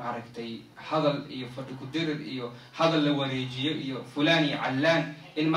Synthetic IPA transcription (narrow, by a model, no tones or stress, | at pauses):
ɐɾɐkt̪ʰɛj | hɐðɐlḭjɔfɐɖɪkʰʊd̪ɪɾɪd̪ḭjɔ | hɐðɐlːɐwɐɾɛːt͡ʃɪjɔʔijɔfʊlaːnijɔʕalːaːn | ɪnm